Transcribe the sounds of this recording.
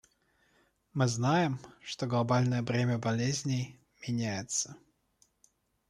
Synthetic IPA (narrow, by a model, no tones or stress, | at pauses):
mɨznajɪmʂt̪oɡlˠɐbalʲnəjəvɾʲemʲəbɐlʲezʲnʲɪj | mʲɪnʲæjɪt̪sə